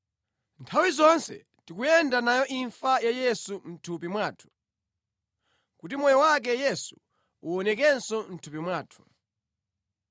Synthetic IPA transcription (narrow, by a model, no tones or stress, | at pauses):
ntʰawizɔnsɛ̰ | tikujɛndanajɔʔiɱfajajɛsum̩tʰupimwaːtʰu̥ | kutimɔjɔwak̬ɛjɛsu | uɔnɛk̬ɛnsɔn̩tʰupimwaːtʰu̥